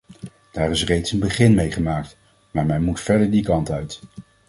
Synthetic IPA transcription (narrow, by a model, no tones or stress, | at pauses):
d̥aːrɪsrejtsənbəχɪnmejχəmaːk̚t | maːɹmɛnmutfɛɹdəɹdikɑntœɥt